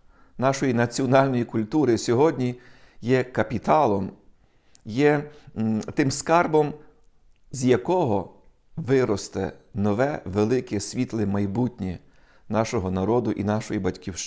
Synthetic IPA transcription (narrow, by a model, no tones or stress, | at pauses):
nɑʃɔjinɐt͡sʲiɔnɑlʲnɔjikʊlʲt̪uɾɪsʲɔɦɔdʲnʲi | jɛkɐpʲit̪ɑlˠɔm | jɛ | t̪ɪmskɑrbɔm | zʲjɐkɔɦɔ | ʋɪɾɔst̪ɛ̰nɔʋɛʋelˠɪkɛsʲʋʲit̪lˠɪmɐjbutʲnʲi | nɑʃɔɦɔnɐɾɔd̪ʊʔinɑʃɔjibɐtʲkʲiwʃ